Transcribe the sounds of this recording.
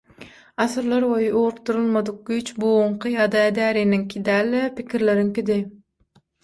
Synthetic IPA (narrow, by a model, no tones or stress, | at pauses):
ɑsɯɾlˠɑɾbojuːɾup̚t̪uɾulˠmɑd̪uq̚ɡyt͡ʃbuuɴqʰɨjɑːd̪ɑɛd̪æːɾiniŋkʰʲid̪æːlːepikʲʰiɾleɾiŋkʲid̪ɪ